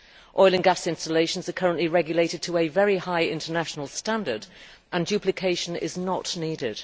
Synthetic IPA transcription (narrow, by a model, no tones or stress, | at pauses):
ʔɔɪlˠə̃nɡasɪ̃nstəleɪʃə̃n̩zəkʰʌɹə̃nʔliɹɛɡjəleɪtɪd̚tʰəːvɛɹihaɪɪ̃ntʰənaʃənəlˠstãndəd | ʔə̃nd͡ʒʉˑpʰlɪkʰeɪʃə̃nɪ̰znəʔniːdɪd̥